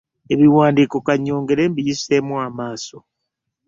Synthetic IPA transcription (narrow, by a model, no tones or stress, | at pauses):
eβiwaːndiːko̞kaɲːo̞ːŋɡe̞ɾe̞ːmbijisemwamaːso